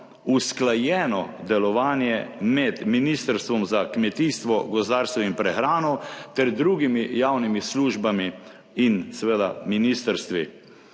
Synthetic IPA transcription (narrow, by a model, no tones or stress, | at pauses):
usklajɛːnɔd̪ɛlɔʋaːnjɛmɛd̪minist̪əɾst̪ʋɔmzakmɛt̪iːst̪ʋɔɡɔzd̪aːɾst̪ɛwinpɾɛxɾaːnɔwt̪ɛɾd̪ɾuːɡimijawnimisluːʒbami | insɛʋeːd̪aminiːst̪əɾst̪ʋḭ